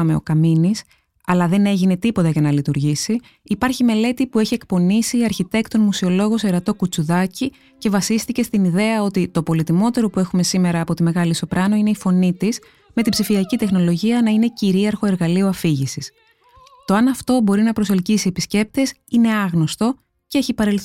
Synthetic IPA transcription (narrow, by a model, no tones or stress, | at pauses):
ɐme̞o̰kɐminis | ɐlɐðe̞ne̞ʝine̞t̪ipo̞t̪ɐʝɐnɐlit̪uɾʝisiː | pɐɾçime̞le̞t̪ipue̞çie̞k̚po̞nisiːɐɾçit̪e̞kt̪onmusio̞lo̞ɣo̞se̞ɾɐt̪o̞kut͡suðɐci | ce̞vɐsist̪ice̞st̪iniðe̞ɐo̞t̪it̪o̞po̞lit̪imo̞t̪e̞ɾo̞pue̞xume̞sime̞ɾɐːpo̞t̪ime̞ɣɐliso̞pɾɐno̞ine̞ifo̞nit̪is | me̞t̪ibzifiɐcit̪e̞xno̞lo̞ʝiɐnɐine̞ciɾiɐɾxo̞e̞ɾɣɐlioɐfiʝisis | t̪o̞ɐnɐft̪o̞bo̞ɾinɐpɾo̞se̞lcisiepisce̞p̚t̪e̞s | ine̞ɐɣno̞st̪o̞ | ceeçipɐɾelθ